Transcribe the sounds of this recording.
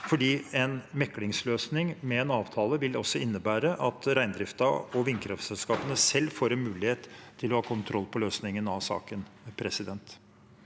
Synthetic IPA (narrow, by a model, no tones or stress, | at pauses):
fɔɖiːɛnmɛkːlɪŋsløːsnɪŋmɛːnɑːʋt̪ʰɑːləʋɪlɔ̰sːɔɪnːəbæːɾəʔɑt̪ɾæɪnd̪ɾɪft̪ɑɔʋɪŋkʰɾɑft̪sɛlskɑːpənəsɛlːfoːɾɛnmʉːlɪheːt̪tʰːɪlɔhɑːkʰʊnt̪ʰɾʔɔlːpʰɔløːsnɪŋənɑʋsɑ̰ːkənpʰɾɛsɪd̪ɛnt̪